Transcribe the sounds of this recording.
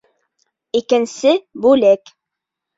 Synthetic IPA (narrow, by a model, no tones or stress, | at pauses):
ikɘ̆nsɘbʉlæk